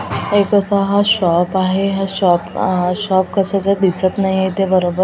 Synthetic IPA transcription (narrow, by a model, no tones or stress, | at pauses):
ekəsaɦaɕɔpaɦeɦaɕɔpɕɔp̚kəsat͡sad̪isət̪naɦiet̪ebəɾobə